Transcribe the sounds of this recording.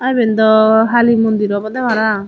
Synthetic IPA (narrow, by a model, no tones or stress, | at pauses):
ajbɛnd̪ɔɦalimɔnd̪iɾɔbɔd̪ɛbaɾa